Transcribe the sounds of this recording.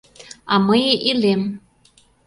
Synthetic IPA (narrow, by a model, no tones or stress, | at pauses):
ɑməjeʔilem